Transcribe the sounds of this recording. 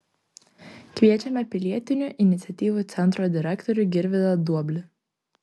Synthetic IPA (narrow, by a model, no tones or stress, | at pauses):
kʋʲiɛt͡ʃʲɛmʲɛpʲɪlʲiɛt̪ʲɪnʲuˑʔɪnʲɪt̪sʲɛt̪ʲiːʋuˑt̪sʲɛnˑt̪ɾoːd̪ʲɪɾʲɛkt̪ɔɾʲʊɡʲɪɾʲʋʲɪd̪ɐd̪uɔbʲlʲɪ